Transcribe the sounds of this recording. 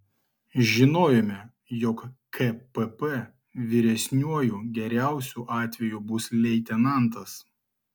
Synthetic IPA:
ʒʲɪnoːjɛmʲɛ | jɔkkɛpɛpɛ | ʋʲɪɾʲɛsʲnʲuɔjuːɡʲɛɾʲæˑʊsʲuːʔɑːt̪ʲʋʲɛjuːbʊslʲɛɪt̪ʲɛnɐˑnt̪ɐs

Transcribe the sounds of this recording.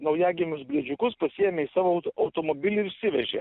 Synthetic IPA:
nɐʊjæːɡʲɪmʲʊsbʲɾʲiɛd͡ʒʲʊkʊspɐsʲijɛmʲeːisɑːʋoɐʊt̪oːmoːbʲɪlʲɪɪɾʊʃʲsʲɪʋʲɛʒʲḛː

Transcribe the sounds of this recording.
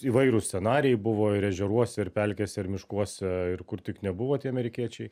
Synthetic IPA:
iːʋɐɪɾʊsʲt͡sʲsʲɛnɑːɾʲɪɛɪbʊʋoːɪɾɛʒʲɛɾuɔsʲɛɪɾpʲɛlʲkʲeːsʲɛɪɾmʲɪʃkuɔsʲɛɪrkʊɾt̪ʲɪknʲɛbʊʋoːt̪ʲiɛɐmʲɛɾʲɪkʲiɛt͡ʃʲɛɪ

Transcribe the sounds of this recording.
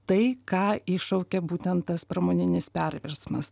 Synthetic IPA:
t̪ɐɪkɑːɪʃɐʊkʲɛbuːt̪ʲɛnt̪t̪ɐspɾɐmoːnʲɪnʲɪspʲæɾʲʋʲɪɾsmɐ̰s

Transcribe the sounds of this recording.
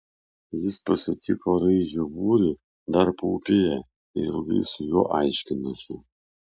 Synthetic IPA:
jɪspɐsʲɪt̪ʲʰɪkoːɾɐɪʒʲubuːɾʲɪ | d̪ɐɾpṵːpʲeːjɛ | ɪɾɪ̰lˠɡɐ̰ɪsʊjoːʔɑɪʃʲkʲɪnɐsʲɪ

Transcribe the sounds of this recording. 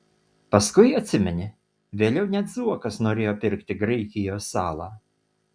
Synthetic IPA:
pɐskʊjɐt̪ʲsʲɪmʲɛnʲɪ | ʋʲeːlʲɛʊnʲɛd̪zuɔkɐsnoːɾʲeːjoːpʲɪɾkt̪ʲɪɡɾɛɪkʲɪjoːsːɑːlˠɑː

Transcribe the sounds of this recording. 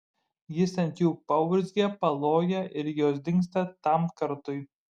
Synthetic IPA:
jɪsɐnʲt̪ʲjuːpɐʊʊɾʲzʲɡʲɛpɐlˠoːjɛʔɪɾjoːsd̪ʲɪŋkst̪ɐt̪ɐmkɐɾt̪ʊɪ

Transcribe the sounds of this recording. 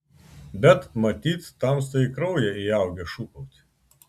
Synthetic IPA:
bʲɛt̪mɐt̪ʲiːt̪t̪ɐmst̪ɐɪkɾɐʊjɛɪɑˑʊɡʲɛʃukɔʊt̪ʲ

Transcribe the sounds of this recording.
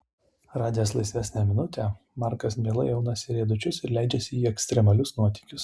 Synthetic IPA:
ɾɑːd̪ʲɪjoːslˠɐɪsʲʋʲæsʲnʲæmʲɪnʊt̪ʲɛ | mɑˑɾkɐsmʲeːlˠɐjɛʊnɐsʲɪɾʲeːd̪ʊt͡ʃʲʊsɪɾlʲæˑɪd͡ʒʲɛsʲɪiːɛksʲt̪ʲɾʲɛmɐlʲʊsnuɔt̪ʲiːkʲʊs

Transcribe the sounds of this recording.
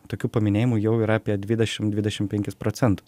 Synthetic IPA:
t̪oːkʲuːpɐmʲɪnʲeːjɪmʊjɛʊiɾɐɐːpʲiɛd̪ʲʋʲɪd̪ʲɛʃʲɪmd̪ʲʋʲɪdʲɛʃʲɪmpʲɛŋʲkʲɪspɾoːtsʲɛnt̪ʊs

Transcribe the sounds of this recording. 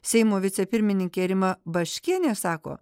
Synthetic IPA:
sʲɛɪmoːʋʲɪt̪sʲɛpʲɪɾʲmʲɪnʲɪŋʲkʲeːɾʲɪmɐbɐʃʲkʲiɛnʲeːsɑːko̰ː

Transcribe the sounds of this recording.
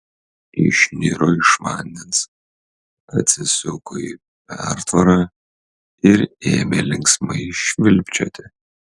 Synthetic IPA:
ɪ̰ʃʲnʲiɾoɪʃma̰ːnʲːɪns | ɐt̪ʲsʲɪsʲʊkʰoi | pʲæɾt̪ʰvɐɾɐ | ɪɾeːmʲelʲɪŋksmɐʃʲʋʲɪlʲpʲt͡ʃʰʲɛ̰t̪ʲʰe

